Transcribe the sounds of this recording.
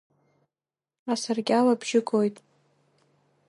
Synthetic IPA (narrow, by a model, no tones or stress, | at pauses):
asɨrɡʲalabʒɪkʼojtʼ